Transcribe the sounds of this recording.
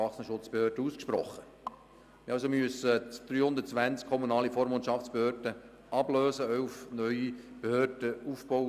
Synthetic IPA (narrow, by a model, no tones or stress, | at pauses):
ɑχsnəʃʊt͡sb̥ehøːrd̥əuːskʃprɔχːə | mɪɑlsomyəsəd̥̪ɾyːhʊndətt͡sʋænt͡skʰɔmunɑːlifɔɾmont͡ʃɑft͡sb̥ehøːɾd̥ə | ʔɑbløːsəœufnœʏi | b̥ehøːd̥əufb̥o